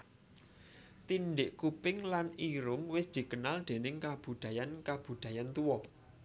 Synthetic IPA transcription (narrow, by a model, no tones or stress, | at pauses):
t̪inɖɪʔkupɪŋlaniɾʊŋwɪsd̪̥i̤kənald̪̥e̤nɪŋkab̥ṳd̪̥a̤jankab̥ṳd̪̥a̤jant̪uwɔ